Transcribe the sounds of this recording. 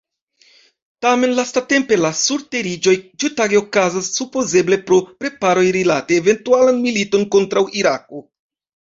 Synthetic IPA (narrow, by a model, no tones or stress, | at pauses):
tame̞nlastate̞mpe̞lasuɾte̞ɾid͡ʒo̞jd͡ʒutaɡeokazasːupo̞ze̞ble̞pɾo̞pɾe̞paɾo̞jɾilate̞ːve̞ntualanmilito̞nko̞ntɾawʔiɾak̚o̞